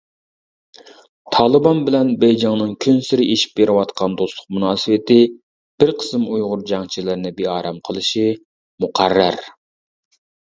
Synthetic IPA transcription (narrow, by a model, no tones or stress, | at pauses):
t̪ʰɑːlˠɨbɑnbɪlɛnbɛjd͡ʒɑŋnɨŋkʲʰønsɪɾɪeʃi̥p̚beɾɪwɑt̪qʰɑnd̪oslˠʊ̥q̚munɑːsɨwɪt̪ɪ | b̥ɪɾqʰə̥sɨmujʁʊɾd͡ʒɑŋt͡ʃʰilɪɾnɪbeɑːɾɛmqʰəlˠɨʃi | muqʰæɾːæ̰ɾ